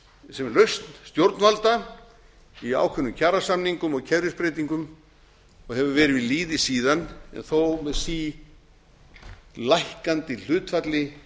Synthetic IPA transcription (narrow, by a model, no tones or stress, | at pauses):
sɛmɛɾlœɥst̪n̥st̪jowɾt̪nvalt̪a | ia̰ːwkʰvʏnːʏmcʰaːɾasamniŋkʏmɔɣcʰɛɾɪspɾeːt̪iŋkʏm | ɔɣhɛvʏvɛːɾɪvɪðliːðɪsiːðanɛ̰nθowmɛðsiː | lajhkant̪ɪl̥ʏːt̪fat̪lɪ